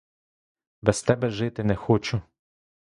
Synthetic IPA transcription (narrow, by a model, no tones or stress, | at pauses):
bɛst̪ɛbɛʒɪt̪ɪnɛxɔt͡ʃʊ